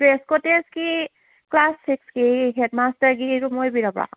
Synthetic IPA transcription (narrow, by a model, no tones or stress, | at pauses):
ɹeskɔteski | klaspʰikskiɦɛdmastəɹkietumojbiɹapɹa̰